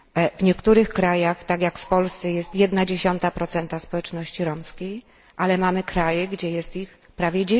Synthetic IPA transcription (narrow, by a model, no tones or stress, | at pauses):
vɲɛkt̪uɾɘxkɾajaxt̪akʲjakfpɔlst̪sɛjɛst̪jɛd̪nad͡ʑeɕɔnt̪apɾɔt̪sɛnt̪aspɔwɛt͡ʂnɔɕt͡ɕiɾɔmskʲej | ʔalɛmamɘkɾajɛɡd͡ʑɛjɛst̪ix | pɾavʲjɛd͡ʑe